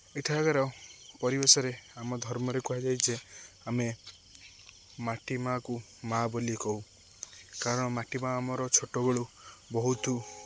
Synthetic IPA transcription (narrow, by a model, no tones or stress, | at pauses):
eʈʰaɡaɾɔpɔɾibesɔɾeamɔd̪ʱɔɾmɔɾekuɦad͡ʒajt͡ʃʰe | ame | maʈimaku | mabolikɔw | kaɾɔɽ̃ɔmaʈimaːmɔɾɔt͡ʃʰoʈobeɭubɔɦut̪u